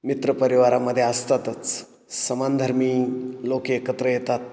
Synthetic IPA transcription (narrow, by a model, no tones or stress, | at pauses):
mit̪ɾəpəɾiʋaɾaməd̪ʱːjeast̪at̪ət͡s | səmand̪ʱəɾmiːlokeekət̪ɾəjet̪at̪̚